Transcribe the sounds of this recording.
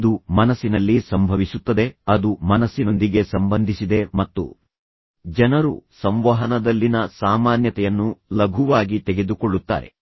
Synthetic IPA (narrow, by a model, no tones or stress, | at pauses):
d̪umɐnɐsːinɐlːisɐmbʱɐʋisut̪ːɐd̪e̞ɐd̪umɐnɐsːino̞nd̪iɡe̞sɐmbɐnd̪ʱisid̪e̞mɐt̪ːṵ | d͡ʒɛnɐɾṵsɐmʋaɦɐnɐd̪ɐlːinɐsaːmaːnjɐt̪ɛjɐnːulɐɡʱuʋaːɡit̪eɡe̞d̪ukoɭːut̪ːa̰ːɾe̞̰